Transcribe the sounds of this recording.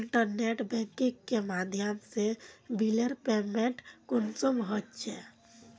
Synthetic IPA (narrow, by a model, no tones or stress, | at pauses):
ɳʈəɾneʈbɛ̃ŋkĩkːemaːd̪ʱjəmsebiləɾpeːmẽʈkʊnsumɦətːt͡ʃʰe